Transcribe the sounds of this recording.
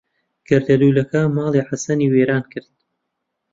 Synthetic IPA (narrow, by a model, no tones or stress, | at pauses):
ɡ̥ɐɾd̪ɐluːlɐkʰamɑːlˠiħasɐniːweːɾaːnkʰɨɾd̪̥̚